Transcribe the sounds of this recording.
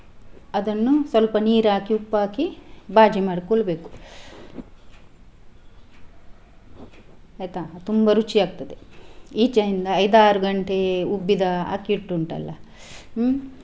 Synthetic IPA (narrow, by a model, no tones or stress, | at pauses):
ɐd̪ɐnːusʋɐlpɐniːɾaːkiupːaːkibaːd͡ʒimaːɽkoɭbeːku̥ | ɐjt̪at̪umbɐɾut͡ʃːiaːɡ̚t̪ɐd̪eiːt͡ʃɐjind̪ɐːjd̪aːɾuɡɐɳʈeubːid̪ɐa̰ːkiʈːuɳʈɐ̰lːɐ̰